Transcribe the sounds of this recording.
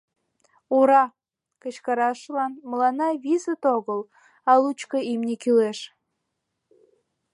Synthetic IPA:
uɾɑ | kət͡ɕkɑɾɑʃlɑnməlɑnɑβizət̪oɣəl | ɑlut͡ɕkəimnʲekyleʃ

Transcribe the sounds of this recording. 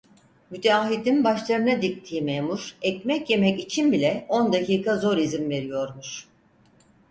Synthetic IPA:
myd̪aːɦid̪inbaʃlˠaɾɯnad̪ic̚t̪ʰiːmemuɾ̥ɛcmɛcje̞mɛcit͡ʃʰinbilʲɛo̞nd̪aciːkʰazo̞ɾizimve̞ɾijo̞ɾmuʃ

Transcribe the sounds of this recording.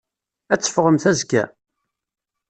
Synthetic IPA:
æt͡sːə̥fʁəmθæzɡæ̰

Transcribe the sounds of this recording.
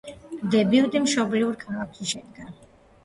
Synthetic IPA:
d̪ɛbiud̪imʃɔbliuɾkʰalˠaksʃɛd̪ɡa

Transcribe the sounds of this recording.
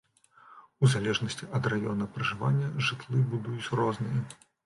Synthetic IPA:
uzalʲɛʐnɐsʲt͡sʲiʔɐd̪rajɔnɐpɾɐʐɨva̰nʲːɐʐɨt̪lˠɨbud̪ujut͡sʲrɔznɨjɐ

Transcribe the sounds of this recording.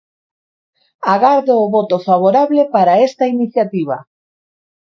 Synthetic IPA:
aɣaɾðoːβɔt̪ofaβoɾaβlepaɾaest̪ɐiniθjat̪iβ̞a̰

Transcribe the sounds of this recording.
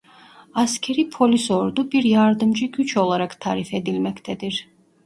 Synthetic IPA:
ascʲʰeɾipʰo̞lʲyso̞ɾd̪ubiɾjaɾd̪ɯmd͡ʒɯɟʲyt͡ʃʰo̞lˠaɾakt̪ʰa̰ːɾifed̪ilʲmɛct̪ʰɛd̪iɾ̥

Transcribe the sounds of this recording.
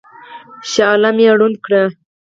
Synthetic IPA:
ʃaːlamiaɽunkɽa

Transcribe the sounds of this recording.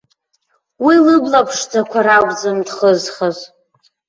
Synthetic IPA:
wilɨblapʰʂd͡zakʷʰaɾaɡʷzɨmdχəzχaz

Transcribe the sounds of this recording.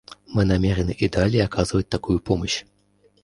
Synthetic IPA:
mɨnamʲɛɾɐnɨʔid̪alʲɛjakazvɐt͡s̚ʲt̪akujupɔmɐɕ

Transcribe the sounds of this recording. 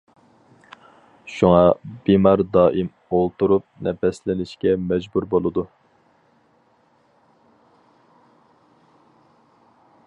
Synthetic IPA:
ʃuŋɑb̥imɑɾd̪ɑːʔim | olˠt̪uɾup̚nɛpɛslɪnɪʃkʲɛmɛd͡ʒbuɾbolˠɨd̪u

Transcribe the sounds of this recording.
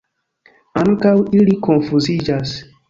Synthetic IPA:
ãŋkawilikonfuzid͡ʒas

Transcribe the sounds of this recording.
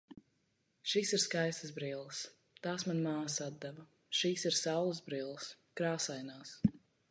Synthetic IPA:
ʃiːsiɾskajst̪əzbɾiːlˠs | t̪aːsmanmaːsad̪d̪ɛvɐ | ʃiːsiɾsawlˠəzbɾilˠəs | kɾaːsajnaːs

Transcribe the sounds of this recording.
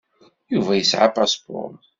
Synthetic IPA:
juvæjəsʕapaspɔ̰ɾˤ

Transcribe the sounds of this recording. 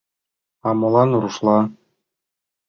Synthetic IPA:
ɑmɤ̆lˠɑnuɾuʃlˠɑ

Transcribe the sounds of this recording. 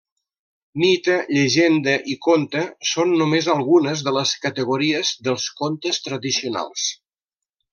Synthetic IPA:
nit̪əʎəʒend̪əʔikont̪əsonːumezəlˠɣunəzðələskət̪əɣuɾiəzðəlˠskont̪əst̪ɾəðisiuna̰lˠs

